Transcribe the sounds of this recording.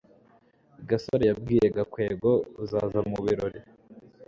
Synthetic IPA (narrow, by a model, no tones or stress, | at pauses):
iɡasoɾejab̚ɡiːjeɡakwe̞ːɡo̞uzaːzamuβiɾoɾi